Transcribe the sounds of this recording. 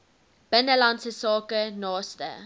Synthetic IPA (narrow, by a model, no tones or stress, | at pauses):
b̥ɛnəlãnsəsɑːkənɑːstə̰